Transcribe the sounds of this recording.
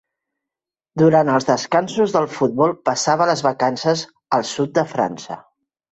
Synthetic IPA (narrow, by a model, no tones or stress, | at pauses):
d̪uɾant̪əlˠzðəskansuzðəlˠfud̪̚βɔlˠpəsaβ̞ələzβəkansəz | əlˠsut̪̚d̪əfɾa̰nsə̰